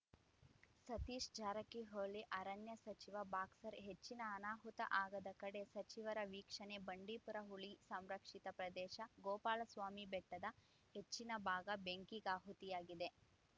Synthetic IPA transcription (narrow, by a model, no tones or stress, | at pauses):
sɐt̪iːʂd͡ʒaːɾɐkiɦoːɭiʔɐɾɐnjɐsɐt͡ʃiʋɐbaːksɐɾɦet͡ʃːinɐːnaːɦut̪ɐ̰ʔaːɡɐd̪ɐkɐɽe̞sɐt͡ʃiʋɐɾɐʋiːkʂɐnebɐɳɖiːpuɾɐɦuɭisɐmɾɐkʂit̪ɐpɾɐd̪ɛːʃɐɡɔːpaːlɐsʋaːmibɛʈːɐd̪ɐ | het͡ʃːinɐbʱaːɡɐbeŋkiɡaːɦut̪ijaːɡid̪e̞